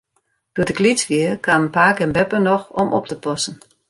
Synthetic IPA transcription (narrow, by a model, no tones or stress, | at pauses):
d̥uədəɡlit͡sʋiəkwaːmənpaːkɛnbɛpənɔxɔmɔ̰p̚təpɔsən̩